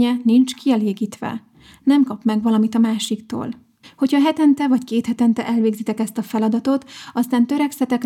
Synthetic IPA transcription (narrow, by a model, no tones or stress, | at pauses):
ɛnint͡ʃkiɛleːɡiːt̪ʋɛ̰ | nɛmkɒpmɛɡʋɒlɒmit̪ɒmaːʃikt̪o̰ːl | ho̞cʰhɒɦɛt̪ɛnt̪ɛvɒckeːt̪hɛt̪ɛnt̪ɛʔɛlveːɡzit̪ɛkɛst̪ɒfɛlɒd̪ɒt̪o̞t̪ɒst̪aːnt̪øɾɛksɛt̪ɛk